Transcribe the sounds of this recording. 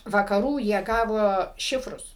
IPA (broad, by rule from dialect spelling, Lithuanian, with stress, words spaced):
ʋɐkɐˈruː jiɛ ˈɡɑːʋoː ˈʃʲɪfrʊs